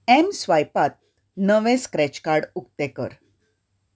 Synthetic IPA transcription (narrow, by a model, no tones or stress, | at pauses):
ɛmsʋajpat̪̚ | nəʋẽskɾɛt͡ɕkaɾɽukt̪ekə̰ɾ